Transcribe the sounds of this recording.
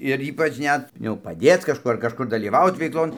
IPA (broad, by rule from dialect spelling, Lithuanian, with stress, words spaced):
ɪr ˈiːpɐt͡ʃ ˈnʲɛt jɛʊ pɐˈdʲeːt͡s kɐʃˈkuː ɐr kɐʃˈkʊr dɐlʲiːˈʋɐʊt ʋʲɛɪkˈlˠoːn